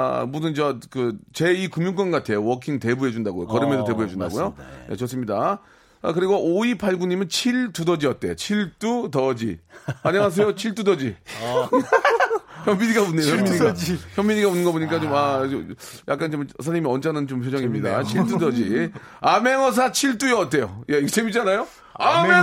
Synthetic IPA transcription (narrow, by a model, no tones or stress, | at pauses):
mudɯnt͡ɕʌkɯt͡ɕe̞ikumjuŋk͈wʌnɡatʰe̞jowʌkʰiŋte̞buɦe̞d͡ʑundaɡojo̰kʌɾɯmedote̞buɦe̞d͡ʑunda̰ɡojojḛt͡ɕʌs͈ɯmɲida | a̰kɯɾiɡooipʰaɭɡuɲimɯnt͡ɕʰiɭtudʌd͡ʑiʌt̚t͈e̞̰t͡ɕʰiɭt͈utʌd͡ʑḭaɲʌŋas̬ʰe̞jot͡ɕʰiɭt͈udʌd͡ʑi | çjʌmbiɲiɡaunejojʌmːiɲiaçjʌmːiɲiɡaunːɯnɡʌboɲik͈at͡ɕoma | ja̰k͈ant͡ɕomsʰaimiʌnt͡ɕʰanɯnt͡ɕompʰjod͡ʑʌŋimɲida̰t͡ɕʰiɭt͈udʌd͡ʑiame̞ŋʌs̬ʰat͡ɕʰiɭt͈ujʌt͈̚e̞jojeet͡ɕʰemit͡ɕ͈anajo | ame